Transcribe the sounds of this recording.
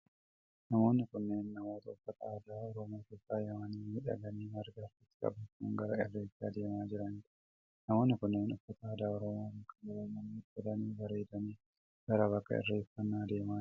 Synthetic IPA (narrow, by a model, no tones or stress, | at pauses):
nɐmo̞ːnːɪkʊnːeːnːɐmo̞ːt̪ɐɔfːɐt̪ɐaːd̪aːɔɾɔmaːke̞ːsːaːjɐmɐniːɪᶑɐ̰ɡɐniːmɐɾɡaɾt̪ɪt̪ːɪ̥kʼɐ̰bɐkʊŋɡɐɾɐɪrːeːt͡ʃːaːd̪e̞ːmaːd͡ʒɪɾɐn | nɐmo̞ːnːɪkʊnːeːnɔfːɐt̪ɐaːd̪aːɔɾɔmaːbɐkːɐɡɐlɐlːɐniːɛd̪ɐniːbɐɾeːd̪ɐniː | ɡ̥ɐɾɐbɐkːɐ̰ɪ̰rːeːfːɐnːaːd̪e̞ːmaː